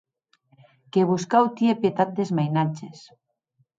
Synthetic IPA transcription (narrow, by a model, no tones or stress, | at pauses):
keβuskawt̪iepjet̪at̪̚d̪ezmajnat͡ʃes